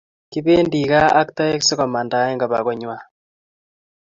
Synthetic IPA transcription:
ki˦βe˦ndi˨ɣaː˦kta˦e˦kse˦kɔ˨ma˨nda˨˦e˦ŋɡa˨βa̰˨ɣɔ˦ɲwa˦

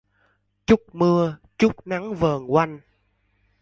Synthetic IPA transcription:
t͡ɕʊ˦˥k͡p̚mɨ˧ə | t͡ɕʊ˦˥k͡p̚na˨˦ŋvəː˨˩ŋwa˧jŋ

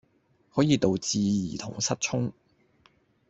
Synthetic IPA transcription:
hɔː˨˥jiː˨˧t̪o˨wt͡siː˧jiː˨˩t̪ʰʊ̰˨˩ŋsɐ˥t̚t͡ʃʰʊ˥ŋ

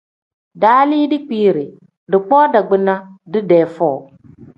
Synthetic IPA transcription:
daː˨˦li˦dɪ˦k͡piː˦˨ɾɪ˨ | dɨ˨k͡pɔː˦da˨ɡ͡bɪ˦na˦dɨ˦dɛː˨fɔ˦˨

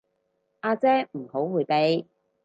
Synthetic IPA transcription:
ʔaː˧t͡sɛː˥m̩˨˩ho˨˥wwuː˨˧jpe˧j

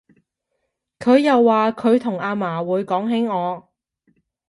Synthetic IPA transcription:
kʰɵ˨˧ɥjɐ˨wːaː˨kʰɵ˨˧ɥt̪ʰʊ˨˩ŋaː˨˧maː˨˩wuː˨˧jkɔː˨˥ŋɦɪ˨˥ŋɔː˨˧

